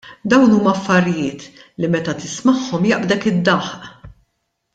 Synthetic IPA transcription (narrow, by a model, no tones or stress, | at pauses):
d̪ɐwnuːmɐɐfːɐɾɪjɪːt̪ | limɛt̪ɐt̪ɪsmɐħːɔmjɐʔbd̪ɛkɪd̪ːɐħʔ